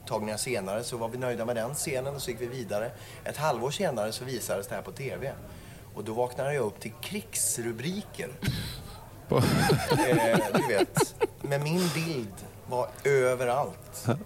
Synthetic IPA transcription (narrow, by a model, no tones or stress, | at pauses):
t̪ʰɑːɡnŋaʂeːnaɾəsɔvaɾvɪnœjd̪amɛd̪ɛnseːnənɔsɔjɪkːvɪviːd̪aɾə | ʔɛt̪halvoːʂeːnaɾəsɔviːsad̪əsd̪ɛhæːɾpʰɔt̪ʰeːvɛ | ʔɔd̪ɔvɑːknad̪əjɑɵpːt̪ʰɪlkʰɾɪksɾɵbɾiːkʰə̰ɾ | d̪ɵveːt̪mɛnmɪnbɪld̪ | vaɾøːvəɾalt̪